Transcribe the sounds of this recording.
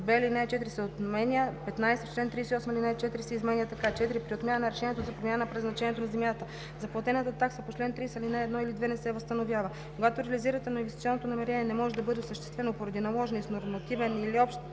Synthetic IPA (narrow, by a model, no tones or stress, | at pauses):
d̪vɛlinɛɛt͡ʃɛt̪iɾisɛot̪mɛniəpɛt̪najsɛot͡ʃlɛnt̪ɾijsʲiɔsməilinɛt͡ʃɛt̪iɾisɛizmɛniət̪ɐkat͡ʃɛt̪iɾipɾiot̪mjanənɐɾɛʃɛniɛt̪ozɐpɾomʲjanəpɾɛznɐt͡ʃɛnʲɛt̪onɐzɛmʲjat̪ə | zɐplˠɐt̪ɛnət̪ət̪aksəpot͡ʃlɛnt̪ɾisɛlinɛɛd̪nɔilid̪vɛnɛsɛvɐst̪ɐnovʲjavə | koɡat̪oɾɛɐliziɾət̪ɛnoinvɛst̪i̥t̪iɔnot̪onɐmɛɾɛnʲɛnɛmɔʒɛd̪ɐbɤd̪ɛsəʃt̪ɛ̥st̪vɛnopoɾɐd̪inɐlˠɔʒɛnisnoɾmɐt̪ivɛniliɔpʃt̪